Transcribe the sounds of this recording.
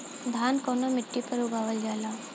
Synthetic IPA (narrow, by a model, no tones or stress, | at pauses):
d̪ʱankɔnɔmɪʈːipəɾuɡaʋəld͡ʒala